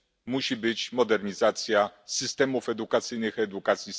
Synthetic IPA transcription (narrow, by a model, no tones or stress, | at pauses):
muɕibɘt͡ɕmɔd̪ɛɾɲizat̪sʲjasɘst̪ɛmufɛd̪ukat̪sɘjnɘxɛd̪ukat̪sʲjis